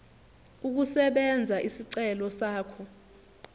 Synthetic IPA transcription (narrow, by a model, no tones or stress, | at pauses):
uk̬usɛɓɛnd͡zʱaʔisiǀɛlɔsaːkʰɔ